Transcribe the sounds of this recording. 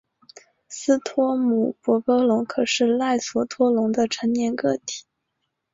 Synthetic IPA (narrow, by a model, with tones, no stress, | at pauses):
sɹ̩˥t̪ʰwɔ˥mu˨˩pwɔ˧˥pɤ˧˥lʊ˧˥ŋkʰɤ˨˩ʂɻ̩˥˧la˥˩ɪswɔ˧˥t̪ʰwɔ˥lʊ˧˥ŋd̪ə˧ʈ͡ʂʰə˧˥ŋnjɛ˨˩nkɤ˥˩t̪ʰi̥˨˩˦